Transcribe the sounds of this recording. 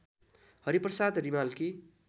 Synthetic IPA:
hʌɾiprʌsad̪rimalki

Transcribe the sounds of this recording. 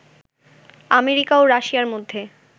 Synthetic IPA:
ameɾikaoɾaʃiaɾmod̪ʱːe

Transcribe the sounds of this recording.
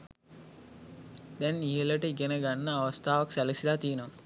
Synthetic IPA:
d̪ɛniɦeləʈəiɡenəɡanːəaʋəst̪aːʋɐksæləsilaːt̪iːənəʋə

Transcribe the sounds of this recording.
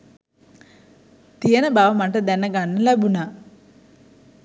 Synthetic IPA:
t̪ijɐnɐbaːʋɐmɐɳʈɐd̪ɐnːɐɡaɳːɐlɐbuna

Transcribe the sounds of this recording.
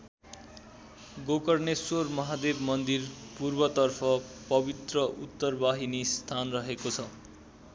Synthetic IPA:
ɡokʌrnesormʌɦad̪ebmʌnd̪irpurbʌt̪ʌrpʰʌpʌbit̪rʌut̪ːʌrbaɦinist̪ʰanrʌɦekot͡sʰʌ

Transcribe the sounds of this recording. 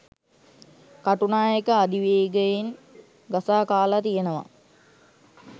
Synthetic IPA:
kaʈunaːjekəad̪iʋeːɡəjin | ɡasaːkaːlat̪ijenəʋa̰

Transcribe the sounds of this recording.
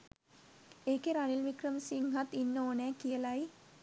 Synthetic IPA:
eːkeɾanilʋikrəmsiŋɡat̪ːinːoːnæːkijəlaj

